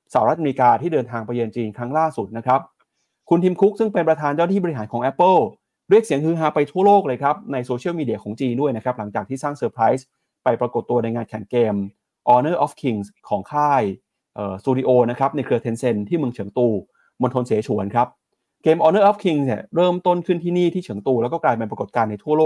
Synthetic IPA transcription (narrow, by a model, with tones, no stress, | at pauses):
saː˩˦ɾa˦˥ʔm˧kaː˧t̪ʰiː˥˩dɤː˧nt̪ʰaː˧ŋpa˧jɤː˧nt͡ɕiː˧nkʰɾa˦˥ŋlaː˥˩su˨˩t̪̚na˦˥kʰɾa˦˥p̚ | kʰu˧nt̪ʰi˧mkʰu˦˥k̚sɯ˥˩ŋpe˧npɾa˧t̪ʰaː˧nt͡ɕaː˥˩na˥t̪ʰiː˥˩bɔ˧i˦˩ɦaː˩˦nkʰɔː˩˦ŋʔɛ˦˥pːɤː˥˩ | ɾi˥˩ək̚si˩˦əŋkɯː˦˥ɦaː˧pa˧jt̪ʰu˥ɐloː˥˩k̚lɤː˧jkʰɾa˦˥p̚na˧jsoː˧t͡ɕʰi˦˥˩wmiː˧di˨˩ɐkʰɔː˩˦ŋt͡ɕiː˧ndu˥˩ə˩jna˦˥kʰɾa˦˥p̚la˩˦ŋt͡ɕaː˨˩t̪ʰiː˥˩saː˥˩ŋsɤː˧pʰɾa˦˥js | pa˧jpɾa˧ko˨˩t̪ːu˧ɐna˧jŋaː˧nkʰɛ˨˩˦ŋkeː˧m | ʔɔː˧nɤː˥˩ʔɔː˦˥fkʰi˧ŋskʰɔː˩˦ŋkʰaː˥˩j | ʔɤː˨˩suː˧di˧ʔoː˧na˦˥kʰɾa˦˥p̚na˧jkʰɾɯ˧t̪ʰe˧nse˧nt̪ʰiː˥˩mɯ˧ŋt͡ɕʰɯ˨˩˦ŋt̪uː˧ | mo˧nt̪ʰo˧nseː˩˦t͡ɕʰu˩˦ənkʰɾa˦˥p̚ | keː˧mʔɔː˧nɤː˥˩ʔɔː˦˥kʰi˧ŋsni˨˩ɾɤː˥˩mt̪o˥˩nkʰɯ˥˩nt̪ʰiː˥˩niː˥˩t̪ʰiː˥˩t͡ɕʰɯ˨˩˦ŋt̪uː˧lɛː˧˦˥wkɔː˥˩klaː˧jpe˧npɾa˧ko˨˩t̪̚kaː˧nːa˧jt̪ʰu˥˩ɐloː˥˩k̚